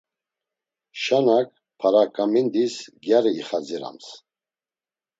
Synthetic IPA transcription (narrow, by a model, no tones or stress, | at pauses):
ʃanak̚ʰ | pʰaɾakʼamind̪isɡjaɾiiχad͡ziɾa̰ms